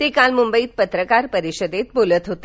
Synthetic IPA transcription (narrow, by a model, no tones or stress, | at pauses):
t̪ekalmumbəiːt̪̚pət̪ɾəkaɾpəɾiɕəd̪et̪̚bolət̪ɦot̪e